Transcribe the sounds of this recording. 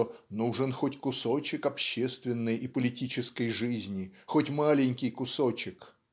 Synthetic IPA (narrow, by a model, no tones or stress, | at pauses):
nuʐɨnxotʲkʊsot͡ɕɪkɐpɕːest̪vʲɪnːɨjʔɪpəlʲɪtʲit͡ɕɪskəjʐɨzʲnʲɪxotʲmalʲɪnʲkʲɪjkʊsot͡ɕɪk